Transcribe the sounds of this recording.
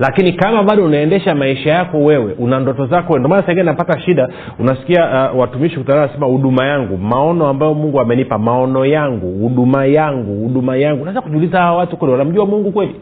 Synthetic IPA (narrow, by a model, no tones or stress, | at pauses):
lakinikamaɓaɗɔunaɛndɛʃamaiʃajakɔwɛwɛʔunandɔtɔzakwɛɛndɔmanasɛɡɛnapataʃiɗa | unasi̥kiawatumiʃikutananasɛmahuɗumajaŋɡumaɔnɔambajɔmuŋɡuamɛnipamaɔnɔjaŋɡuhuɗumajaŋɡuhuɗumajaŋɡunaɛzakuʄulizahawawatukwɛliwanam̩ʄuamuŋɡukwɛli